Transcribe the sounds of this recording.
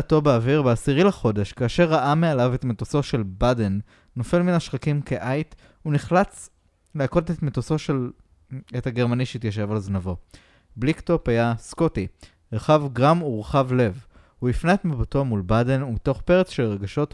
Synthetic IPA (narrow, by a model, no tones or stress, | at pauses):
to̞beaviʁbeasiʁilaχo̞de̞ʃkaːʃe̞ʁaʔamealavetmetoso̞ʃe̞lbadenː | o̞fe̞lminaʃχakimkeʔajt | uniχlat͡s | leako̞ltetmet̪osoʃel | ethaɡe̞ʁmaniʃeit̪jaʃ̬e̞valznavo̞ | blikto̞phajaskoti | ʁeχavɡʁamuʁeχavle̞v | huifneetmibatomulbade̞numito̞χpeʁet͡sʃelʁeɡaʃo̞t